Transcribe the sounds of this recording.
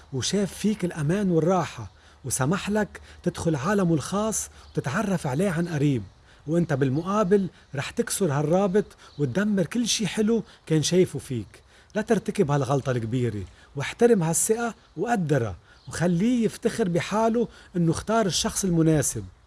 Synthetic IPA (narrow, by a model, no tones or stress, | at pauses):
wʃeːfːiːkɪlʔamaːnwɪrˤːɑːħa | wsamaħlakt̪ɪd̪xʊlʕaːlamɪlxɑːsˤːwt̪ɪt̪ʕɑrˤːɑfʕleːʕanʔaɾiːb̚ | wʔɪnt̪abɪlmʊʔaːbɪl | ɾˤɑːħt̪ɪksʊɾharˤːɑːbɪt̪ˤwɪt̪̚d̪amːɪɾkɪlːʃiːħɪlukeːnʃeːfufiːk | lat̪ɪɾt̪akɪbhalɣɑlt̪ˤɑlkbiːɾḛ | wɪħt̪aɾɪmhasːɪʔa | wʔad̪ːɪɾˤa̰ | wxalːiːjɪft̪axɪɾbɪħaːluʔɪnːʊxt̪ɑːɾˤɪʃːɑxsˤɪlmʊneːsɪb̚